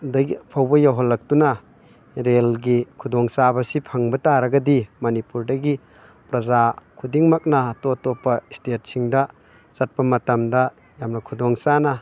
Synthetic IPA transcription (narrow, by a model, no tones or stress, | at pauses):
dapʰawbɐjaɦɔlːɐk̚tunɐ | ɾelɡikʰudɔŋsabɐsipʰɐŋbɐtaɾɐɡɐdimɐnipuɾdɐɡi | pɾɐzakʰudiŋmak̚nɐtotopːɐistet̚siŋdɐ | sɐt̚pɐmɐtɐmdɐ | jamnɐkʰudɔŋsanɐ